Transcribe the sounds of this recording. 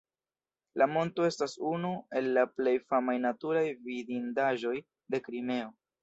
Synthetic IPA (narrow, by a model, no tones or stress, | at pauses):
lamo̞nto̞e̞stasunue̞lːaple̞jfamajnatuɾajvidindaʒo̞j | de̞kɾime̞o̞